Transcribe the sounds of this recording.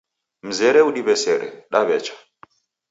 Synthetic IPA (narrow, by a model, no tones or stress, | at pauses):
m̩zɛɾɛuɗiβɛsɛɾɛ̰ɗaβɛt͡ʃʰḁ